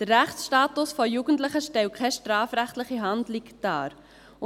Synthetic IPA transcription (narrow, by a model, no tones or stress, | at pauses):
d̥ərːæχtsʃtɑːtʊsfɔjuːɡ̥əntlɪχəʃtɛwkʰɛʃtɾɑːfɾæχtlɪχiɦɑndlɪkd̥ɑːɾ